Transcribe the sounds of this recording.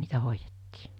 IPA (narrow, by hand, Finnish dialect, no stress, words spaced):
niːtæ hoijetːiː